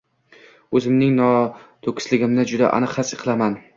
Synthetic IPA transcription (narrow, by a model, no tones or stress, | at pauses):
ɵzɪmnɪŋnɒt̪ʰokʲʰɪ̥slɪɡʲɪmnɪd͡ʒʊd̪a̰ʔa̰nɨqhasɨ̥qʰɨlˠaman